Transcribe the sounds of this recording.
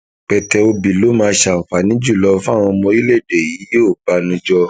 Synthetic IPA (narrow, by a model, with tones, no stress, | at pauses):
k͡pɛ˨tɛ˧o˧bi˨lo˨˦mãː˧ʃa˨fa˨nĩ˨˦d͡ʒu˦˨lɔ˧˦fa˦˨ɾ̃ɔ̃˧mɔ̃˧˦i˦le˦˨de˨ji˨˦e˦o˦˨ɡ͡ba˧nũ˨˦d͡ʒɔ˧